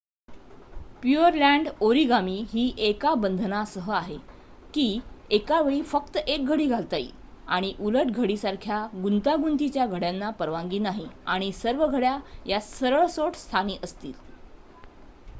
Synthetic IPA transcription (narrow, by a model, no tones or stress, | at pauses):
pjuəɾlæɳɖoɾiɡamiːɦiːʔekabənd̪ʱnasəɦəaɦe | kiːekaʋeɭiːfək̚t̪əʔek̚ɡʱəɽiːɡʱalt̪aḭ | a̰ɽ̃iʔuləʈ̚ɡʱəɽiːsaɾkʰjaɡunt̪aɡunt̪it͡ɕjaɡʱəɽjanːapəɾʋãŋɡiːnaɦiaɽ̃isəɾʋəɡʱəɽjajasəɾəɭsoʈst̪ʰaniːʔəst̪iːl